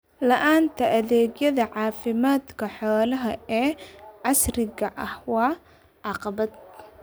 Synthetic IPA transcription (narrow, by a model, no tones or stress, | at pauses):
lɐʔaːnt̪ʰɐʔɐðɛːɡjɐðɐʕɑːfɪmaːd̪kʰɐħɔːlɐɦɐɛːʕɑsrɪɣɐʔɐhwɑː | ʕɑqɑbɐd̪̚